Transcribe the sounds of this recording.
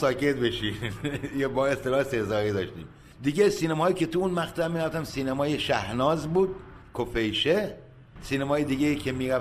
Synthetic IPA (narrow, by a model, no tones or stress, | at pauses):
sɒːke̞t̪̚be̞ʃiːmjebɒːe̞st̪elɒːhesesɒːɾiːd̪ɒːʃt̪ḭːm | d̪iɡesiːnemɒːjiːcʲʰe̞t̪ʰuunmæxt̪ʰæmːinæft̪æmsiːnemɒːjeʃæhnɒːzbuːd̪̥̚ | kʰofejʃe | siːnemɒːjed̪iɡejiːkʰe̞miːɾæf